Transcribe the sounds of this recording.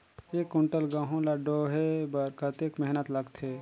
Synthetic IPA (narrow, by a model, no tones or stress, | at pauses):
eːkuɳʈəlɡãːɦũlaɖoɦebəɾkət̪ekmɛɦnət̪ləɡt̪ʰe